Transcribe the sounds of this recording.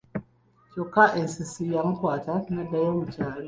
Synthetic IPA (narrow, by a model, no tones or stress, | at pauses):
cokːaʔesisijamukwaːtaknadːajoβucaːli